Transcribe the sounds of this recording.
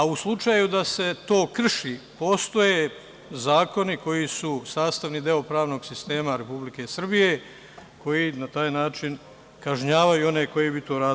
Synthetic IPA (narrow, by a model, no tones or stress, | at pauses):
auslˠut͡ʃajud̪ase̞t̪o̞ːkr̩ʃiːpo̞st̪o̞je | zaːko̞niko̞jisusaːst̪aʋnid̪eopɾaːʋno̞ɡsist̪e̞ːmaɾe̞publike̞sr̩bije̞ | ko̞jinat̪aːjnaːt͡ʃin | kaʒɲaːʋajuo̞ne̞ko̞jebit̪oːɾaːd̪